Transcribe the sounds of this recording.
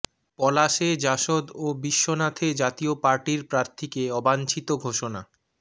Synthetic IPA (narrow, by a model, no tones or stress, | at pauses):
pɔlaʃed͡ʑaʃod̪obiʃːonat̪ʰed͡ʑat̪iopaɾʈiɾpɾaɾt̪ʰikeɔbant͡ɕʰit̪oɡʱoʃona